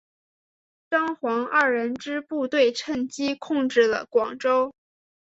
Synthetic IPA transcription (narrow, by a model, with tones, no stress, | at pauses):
ʈ͡ʂɑ˥ŋxwɑ˧˥ŋɐ˥˩ɻə˧˥nʈ͡ʂɻ̩˥pu˥˧t̪we˥˧ɪʈ͡ʂʰə˥˩ŋt͡ɕi˥kʰʊ˥˧ŋʈ͡ʂɻ̩˥˩lə̰˩kwɑ˨˩ŋʈ͡ʂo˥ʊ